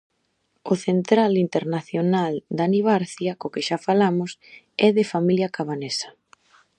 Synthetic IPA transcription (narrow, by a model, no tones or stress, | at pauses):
ʊθent̪ɾalint̪eɾnaθjonald̪aniβ̞aɾθjakokɪʃafalamʊs | ɛðɪfamiljɐkaβanesḁ